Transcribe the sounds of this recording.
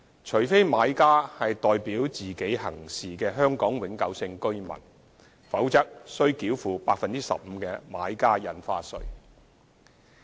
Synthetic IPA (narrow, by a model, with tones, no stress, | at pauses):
t͡ʃʰɵ˨˩jfe˥jmaː˨˧jkaː˥hɐ˨jt̪ɔː˨jpiː˨˥wt͡siː˨ke˨˥jhɐ̰˨˩ŋsiː˨˩kɛː˧ɦœː˥ŋkɔː˨˥ŋwɪ˨˥ŋkɐ˨˧wsɪ˧ŋkɵ˥ɥmɐ̰˨˩n | fɐ˨˥wt͡sɐ˥k̚sɵ˥ɥkiː˨˥wfuː˨˩paː˧k̚fɐ˨nt͡siː˥sɐ̰˨p̚m̩˨˧kɛː˧maː˨˥jkaː˥jɐ˨nfaː˧sɵ̰˧ɥ